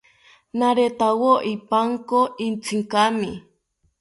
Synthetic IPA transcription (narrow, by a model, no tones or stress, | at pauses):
naɾet̪awoʔipaŋkoint͡sʰiŋkami